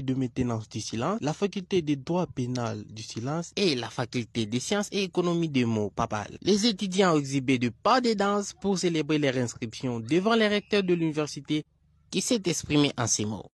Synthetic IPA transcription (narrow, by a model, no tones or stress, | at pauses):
d̪əmɛ̃t̪enɑ̃sd̪ysilɑ̃slafakylt̪ed̪ed̪wapenald̪ysilɑ̃selafakʲylt̪ed̪esjɑ̃seːkɔnɔmid̪əmopapa̰llezet̪yd̪jɑ̃ɛɡzibed̪əpad̪ed̪ɑ̃spuʁselebʁelɛʁɛ̃skχipsjɔ̃d̪əvɑ̃leʁɛk̚t̪œʁd̪əlynivɛʁsit̪e | kʲisɛt̪ɛkspχimeʔɑ̃semo̰